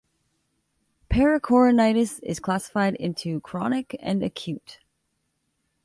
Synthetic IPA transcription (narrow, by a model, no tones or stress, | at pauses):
pʰɛɹɨkʰɔɹɨnaɪɾɨsɪ̰z̥kʰl̥æsə̥faɪɾɪ̰̃ntʰʉkʰɹ̥ɑnɨkɨ̰̃nɨkʰj̥ʉt